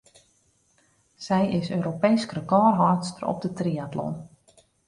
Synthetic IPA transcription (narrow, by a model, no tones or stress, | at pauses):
sɛjɪsøːɾopejskrəkɔːrɦɔtstərɔ̰p̚dətriatlɔ̰n